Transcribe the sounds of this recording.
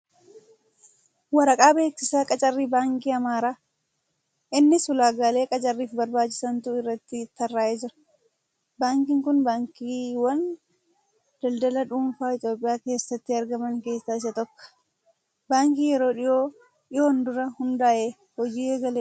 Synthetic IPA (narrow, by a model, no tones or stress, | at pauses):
wɐɾɐkʼaːbe̞ːksɪsaːkʼɐt͡ʃʼɐrːiːbaːŋkiːɐmaːɾaː | ʔɪnːɪsʊlaːɡaːle̞ːkʼɐt͡ʃʼɐrːiːfbɐɾbaːt͡ʃːɪ̥sɐnt̪ʊɪrːɐt̪ːɪt̪ːɐrːaːʔeːd͡ʒɪɾɐ̥ | baːŋkɪŋkʊnbaːŋkiːwɐn | d̪̥ɐld̪ɐlɐᶑuːmfaːɪt̪jo̞ːpʼːɪjaːke̞ːsːɐt̪ːɪɐɾɡɐmɐŋke̞ːsːaːɪsɐt̪ɔkːɔ̥ | baːŋkiːjɛɾo̞ːᶑɪjoː | ᶑɪjoːnd̪ʊɾɐhʊnd̪aːʔeː | hɔd͡ʒiːeːɡɐleː